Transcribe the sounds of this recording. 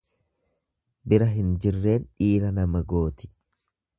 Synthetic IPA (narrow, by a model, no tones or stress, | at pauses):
bɪɾɐɦɪnd͡ʒɪrːe̞ːnᶑiːɾɐnɐmɐɡo̞ːt̪ɪ̥